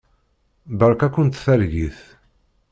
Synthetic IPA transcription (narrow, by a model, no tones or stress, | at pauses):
bəɾˤkækːʊnt̪θæɾʝiθ